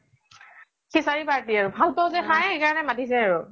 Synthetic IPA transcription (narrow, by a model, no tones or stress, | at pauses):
kisaɹipaɹtiaɹʊbʱalpɔzɛxajxejkaɹɔnɛmatisɛaɹʊ